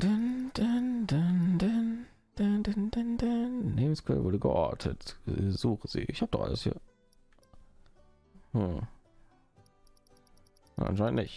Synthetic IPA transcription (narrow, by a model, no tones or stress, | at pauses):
d̥əndəndəndən | d̥ədəndəndənleːbn̩skʰvɛ̰lvʊdəɡə̰ʔɔ̰ːtʰə̰tzuːχəz̥ḭːʔɪçhap̚d̥ɔχa̰ləshḭːɐ | h̩ | j̰ʔa̰nʃaɪntʔnɪç